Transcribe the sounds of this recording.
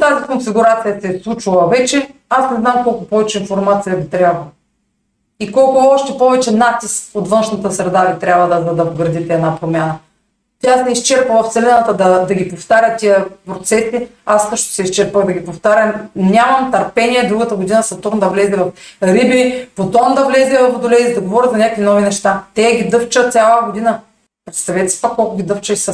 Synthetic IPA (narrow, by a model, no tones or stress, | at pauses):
t̪azikonfiɡʊɾat̪sijəsɛslˠut͡ʃulˠɐvɛt͡ʃɛ | asnɛznamkɔlˠkʊpɔvɛt͡ʃɛinfoɾmat̪sijəɡit̪ɾʲabvɐ | ikɔlˠkʊɔʃt̪ɛpɔvɛt͡ʃɛnat̪iskot̪vɤnʃnɐt̪əsɾɛd̪avit̪ɾʲjabvəd̪ɐzɐd̪ɐoɡɾɐd̪it̪ɛɛd̪napɾomʲanə | t̪ʲasnɛist͡ʃɛɾpəlˠɐft̪sɛlɛnət̪əd̪ɐd̪ɐɡʲipoft̪aɾʲət̪iəpɾot̪sɛsi | asːɤʃt̪ʊ̥sɛist͡ʃɛɾpəɣd̪ɐɡʲipoft̪aɾʲɐmnʲamɐmt̪ɐɾpɛniɛd̪ɾuɡɐt̪əɡʊd̪inəsɐt̪ɔɾnd̪ɐvlɛzɛvɐfɾibipot̪ɔnd̪ɐvlɛzɛvɐfod̪olɛid̪ɐɡovɔɾʲət̪zɐnʲakvinɔvinɛʃt̪at̪ɛɡʲid̪ɤft͡ʃət̪sʲjalˠəɡod̪inə | pɾɛt̪st̪ɐvɛt̪ɛsi̥pakːɔlˠkʊɡʲid̪ɤft͡ʃəisɐ